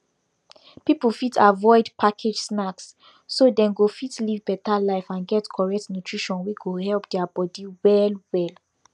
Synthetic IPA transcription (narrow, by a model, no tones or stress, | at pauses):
pipl̩fitʰavɔɪdpʰakʰed͡ʒsnaksː | odɛ̃nɡofitlivbɛtalaɪfãnɡɛtkʰɔɹɛk̚tnutʰɹiʃɔ̃nwiɡohɛlpdɛabɔdiwɛlwɛl